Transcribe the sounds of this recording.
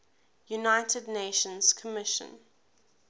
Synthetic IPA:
junaɪtʰədneʃə̃nz̥kʰəmɪʃə̰̃n

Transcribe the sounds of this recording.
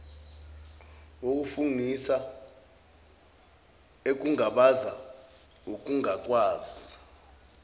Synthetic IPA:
wok̬ʼufunisa | ek̬ʼuŋaɓaza | uk̬ʼuŋaǀwaːzi

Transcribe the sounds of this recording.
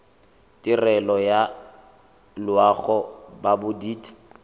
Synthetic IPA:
tʼɪrɛlɔja | lwaɣɔbabʊdiːt

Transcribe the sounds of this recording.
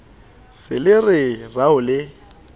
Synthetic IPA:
sɪlɪrɪraʊlɪ

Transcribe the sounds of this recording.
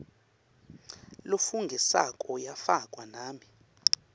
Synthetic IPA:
lofuŋɡʱisa̰kʼɔjafakʼwanaːmi

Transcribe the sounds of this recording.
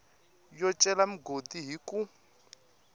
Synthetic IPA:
jɔt͡ʃʼɛlam̩ɡodiɦikʼu

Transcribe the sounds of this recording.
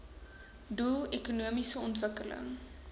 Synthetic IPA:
dulˠekunuəmisəɔntvəkələ̰ŋ

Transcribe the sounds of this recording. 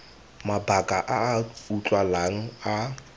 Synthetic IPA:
mabakʼaʔaːut͡ɬʼwalaŋ̩a

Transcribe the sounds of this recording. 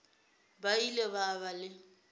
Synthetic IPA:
baileβaβalɪ

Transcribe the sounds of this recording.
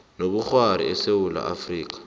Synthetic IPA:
noɓuxwaɾḭɛsewula̰ʔafriːk̬ʼḁ

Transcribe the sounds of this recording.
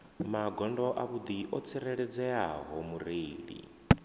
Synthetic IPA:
maɡɔndɔʔaβud̪iʔɔt͡sʰiɾeɺɛd͡zɛaɦɔmuɾeːɺḭ

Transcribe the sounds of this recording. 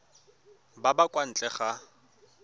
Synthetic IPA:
babakʼwan̩t͡ɬʼɛχa

